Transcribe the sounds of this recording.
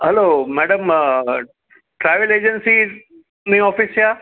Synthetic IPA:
ɦɐloːmɛːɽəm | ʈɾaːɪʋəleːd͡ʒənsi | nĩɔːfɪsjaː

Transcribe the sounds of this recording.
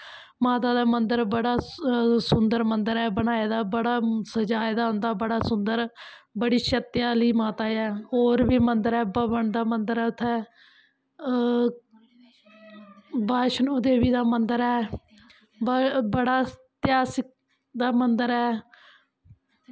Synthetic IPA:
maːt̪aːd̪aːmənd̪əɾbəɽaːsʊnd̪əɾmənd̪əɾɛːbənaːeːd̪aːbəɽaːsəd͡ʒaːed̪aːɦʊnd̪aːbəɽaːsʊnd̪əɾbəɽiːʃət̪jaːliːmaːt̪aːɛːɦoːɾbiːmənd̪əɾɛːbəbəɳd̪aːmənd̪əɾɛːʊt̪ʰːɛː | baːʃnoːd̪eːbiːd̪aːmənd̪əɾɛː | bbəɽaːt̪ɪjaːsɪk̚ | d̪aːmənd̪əɾɛː

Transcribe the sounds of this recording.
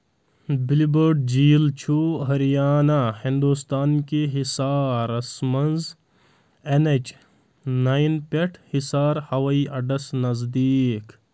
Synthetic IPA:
bilibəɾɖd͡ʒiːlt͡ʃʰuɦɐɾijaːnahĩnd̪ust̪aːnkeɦisaːɾɐsmɐnz | enet͡ʃ | nainpeʈʰhisaːɾhɐwɐiʔɐɖɐsnɐzd̪iːk

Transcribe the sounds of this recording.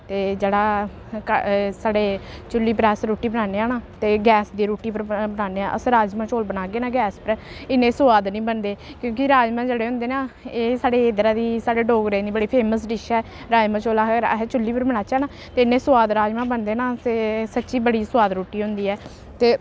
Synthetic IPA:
t̪eːd͡ʒeːɽaː | kəsaːɽeːt͡ʃʊlːiːpəɾɛːsɾuːʈiːbənaːneːaːnaːt̪eːɡɛːsd̪iːɾuːʈiːpəɾbənaːneːãːʔə̰sɾaːd͡ʒmãːt͡ʃoːlbənaːɡeːnaːɡɛːspəɾɪnẽːsʊaːd̪nĩːbənd̪eːkjõːkiɾaːd͡ʒmãːd͡ʒeɽeːɦʊ̃nd̪eːnaːeːsaːɽeːeːd̪ɾaːd̪iːsaːɽeːɖoːɡɾẽːd̪iːbəɽiːpʰeːməsɖɪʃɛː | ɾaːd͡ʒmãːt͡ʃoːlaːɾ̰ɦɛt͡ʃʊlːiːpəɾbənaːt͡ʃɛːnaː | t̪eːɪnːẽːsʊʋaːd̪ɾaːd͡ʒmãːbənd̪eːnaːt̪eːsətːʃiːbəɽiːsʊaːd̪ɾuːʈiːɦʊ̃nd̪iːɛː | t̪eː

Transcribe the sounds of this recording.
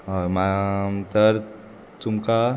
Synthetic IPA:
ɔmamt̪əɾ | t̪umka

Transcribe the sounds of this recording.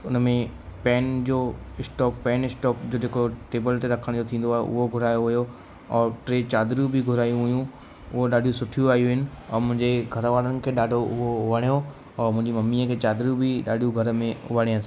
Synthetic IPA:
ʊnmẽ | pɛːnd͡ʑoːɪsʈɔːkpɛːnɪsʈɔːkd͡ʑoːd͡ʑeːkoʈeːbəlt̪eɾɐkʰəɽ̃d͡ʑoːt̪ʰĩːn̆d̪oaːɦḛʔʊ̰ɦoɡʱʊɾaːjoɦʊjo | ɔːɾʈɾeːt͡ɕaːd̪ɾjubʱiɡʱʊɾaːjũɦʊjũ | ʊɦoɗaːɖʱijũsʊʈʰijuaːɦijuɦɪnɪ̆ | ɔːɾmʊ̃ɦɪ̃ɲd͡ʑeɡʱɐɾʋaːɽənɪ̆kʰeːɗaːɖʱoʔʊɦoʊʋəɽ̃jo | ɔːɾmʊ̃ɦɪ̃ɲd͡ʑimɐmːiəkʰeːt͡ɕaːd̪ɾijubʱiɗaːɖʱijuɡʱɐɾmẽʊ̰ʋəɽ̃iãs

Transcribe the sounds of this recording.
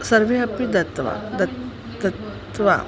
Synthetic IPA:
səɾʋeɐpid̪ɐt̪ʋa̰d̪ɐ | d̪ət̪ | ʋa̰

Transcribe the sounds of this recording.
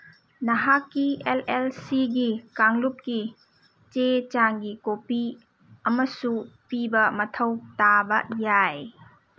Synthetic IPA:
nɐɦakːielelsiɡikaŋlup̚ki | t͡ʃet͡ʃaŋɡikopi | ɐmɐsupibɐmɐtʰɐwtabɐ̰jaj

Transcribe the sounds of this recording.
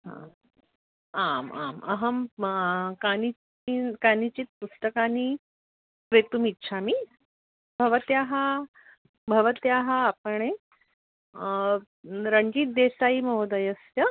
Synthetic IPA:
ɦã̰ | ama̰mə̰ɦəm | kanit͡ɕ | inkanit͡ɕit̪̚pusʈ̪əkani | pɾet̪umitːɕʰami | bʱəʋət̪jaɦa | bʱəʋət̪jaɦaːpəɳe | ɾəŋɡiːt̪̚d̪esaiməɦod̪əjəsjjə

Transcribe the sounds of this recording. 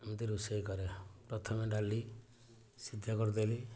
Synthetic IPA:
mɔt̪iɾusejkɔɾepɾɔt̪ʰɔmeɖali | sid̪ʱakɔɾd̪eli

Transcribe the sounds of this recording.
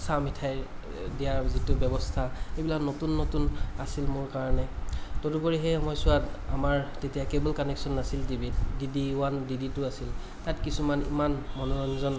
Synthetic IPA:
samitʰaj | dijaɹzitʊbɛbɔstʰaejbilaknotunːotunasilmʊɹkaɹɔnɛtɔtupɔɹiɦɛamɔjsʊata̰maɹtetijakebɔlkɔnɛksɔnːasildibit̚didiwandiditʊasil | tatkisumanḭmanmɔnɔɔnzɔn

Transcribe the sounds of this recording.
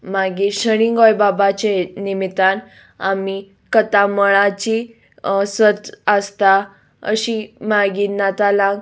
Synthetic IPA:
maɡiːɕəɽ̃iŋɡɔjbabat͡ɕenimit̪an | a̰mi | kət̪aməɭat͡ɕi | sət̪əst̪a | ə̰ɕimaɡiːnat̪alãɡ

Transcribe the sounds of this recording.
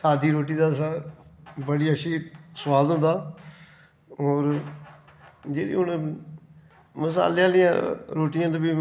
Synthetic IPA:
saːd̪iːɾoːʈiːd̪aːsãːbəɽiːəʃʰiːsʊʋaːd̪ɦʊ̃nd̪aː | ɔːɾ | d͡ʒeːɾḭːɦʊn | məsa̰ːleãːlɪjã̰ːɾoːʈɪjãːt̪abiː

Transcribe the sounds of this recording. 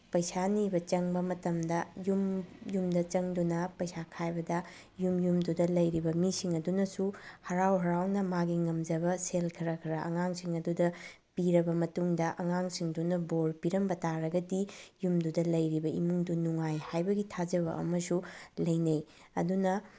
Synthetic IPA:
pɐjsanibɐt͡ʃɐŋbɐmɐtɐmdɐjumjumdɐt͡ʃɐŋdunɐpɐjsakʰajbɐdɐ | jumjumdudɐlɐjɾibɐmisiŋɐdunɐsuhɐɾawɦɐɾawnɐmaɡiŋɐmd͡ʒɐbɐselkʰɐɾɐkʰɐɾɐʔɐ̰ŋaŋsiŋɐdudɐ | piɾɐbɐmɐtuŋdɐʔɐŋaŋsiŋdunɐboɾpiɾɐmbɐtaɾɐɡɐdijumdudɐlɐjɾibɐimuŋdunuŋajhajbɐɡitʰad͡ʒɐβɐʔɐ̰mɐsulɐjnɐj | ɐ̰dunɐ

